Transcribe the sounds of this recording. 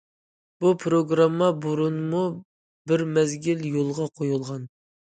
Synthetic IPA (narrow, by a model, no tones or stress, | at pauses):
b̥upʰɾoɡɾɑmːɑbuɾunmu | bɪɾmɛzɡʲiljolˠʁɑqʰojulˠʁɑn